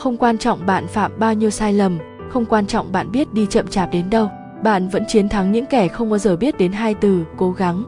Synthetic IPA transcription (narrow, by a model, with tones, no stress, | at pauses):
xə˧wŋ͡mkwaː˧nt͡ɕɔ̰˧˨wŋ͡mɓa̰ː˧˨nfaː˧˩mɓaː˧wɲi˧əwsaː˧jlə˨˩m | xə˧wŋ͡mkwaː˧nt͡ɕɔ̰˧˨wŋ͡mɓa̰ː˧˨nɓi˦˥ət̚ɗi˧t͡ɕə̰˧˨mt͡ɕaː˨˩p̚ɗe˨˦nɗə˧w | ɓa̰ː˧˨nvə̰˧˥nt͡ɕi˨˦ənt̪ʰa˨˦ŋɲɨ̰˧˥ŋkɛ˧˩xə˧wŋ͡mkɔ˨˦zəː˧˩ɓi˦˥t̚ɗe˨˦nɦaː˧jt̪ɨ˨˩ko˨˦ɣa˨˦ŋ